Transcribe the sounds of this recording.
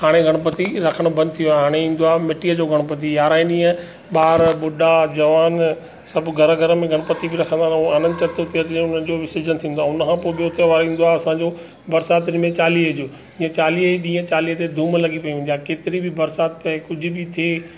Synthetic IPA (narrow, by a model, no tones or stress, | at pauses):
ɦaːɽ̃eɡʱɐɽ̃pɐt̪iɾɐkʰəɽ̃bɐ̃nd̪t̪ʰijoaːɦaːɽ̃eĩːnd̪oaːmɪʈiːəd͡ʑoːɡʱɐɽ̃pɐt̪ijaːɾaːɪ̃ɗĩːə̃ | ɓaːɾɓʊɖad͡ʑɐʋaːn | sɐbɡʱɐɾəɡʱɐɾə̆mẽɡʱɐɽ̃pɐt̪ibʱɪɾɐkʰə̃nd̪aːnuaːnə̃nt͡ɕɐt̪ot̪ʰiət̪ʊnən̆d͡ʑoːʋɪsɪd͡ʑənt̪ʰĩːn̆d̪oaːʊnkʰãːpoːɪɓijoʊt̪eʋaːɾĩːn̆d̪oaːɦɐsãːɲd͡ʑoː | bɐɾsaːt̪ɪnɪmẽt͡ɕaːliːɦəd͡ʑoː | d͡ʑĩːə̃t͡ɕaːliːɦəɗĩːə̃t͡ɕaːliːɦət̪ed̪ʱũːmlɐɡipɐiʋɪ̃nd̪iaːkeːt̪ɪɾibʱɪbɐɾsaːt̪pɐekʊd͡ʑʱʊ̆bɪt̪ʰieː